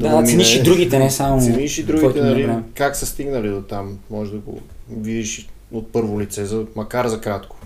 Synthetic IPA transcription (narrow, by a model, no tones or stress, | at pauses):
d̪ammiʃid̪ɾuɡit̪ɛnɛsamoiʃid̪ɾukɡiɔjt̪nɐliamkaksɐst̪iɡnɐlid̪ot̪amːɔʒɛd̪ɐɡo̰vid̪iʃi | ot̪̚pɤɾvolit̪sɛzɐmɐkaɾzɐkɾat̪kʊ̥